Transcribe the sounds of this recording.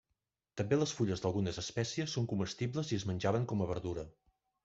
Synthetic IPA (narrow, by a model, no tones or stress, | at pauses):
t̪əmbeləsfuʎəzðəlˠɣunəzəspɛsiəsːoŋkuməst̪iβləziəzmənʲʒaβəŋkɔməβəɾðuɾə